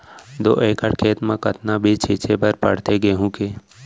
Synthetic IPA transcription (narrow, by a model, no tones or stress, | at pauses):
d̪o̰ːʔeːkəɽkʰeːt̪mãkət̪nabʱit͡ʃʰiːt͡ʃʰebəɾpə̰ɽt̪eɡeːɦũːkeː